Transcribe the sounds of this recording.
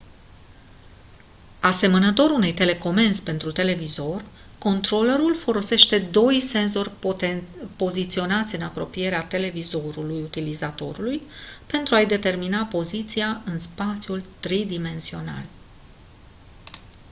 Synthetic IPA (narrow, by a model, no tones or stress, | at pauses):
ase̞mənət̪o̞ɾune̞jt̪e̞le̞ko̞me̞nspe̞nt̪ɾut̪e̞le̞vizo̞rʲ | ko̞nt̪ɾo̞leɾulfo̞lo̞se̞ʃt̪e̞d̪o̞jse̞nzo̞rʲ | po̞zit̪sio̞nat̪sʲɨnapɾo̞pije̞ɾeat̪e̞le̞vizo̞ɾulujut̪ilizat̪o̞ɾulujpe̞nt̪ɾuajd̪e̞t̪e̞rminapo̞zit̪siaɨnspat̪sijult̪ɾid̪ime̞nsio̞na̰l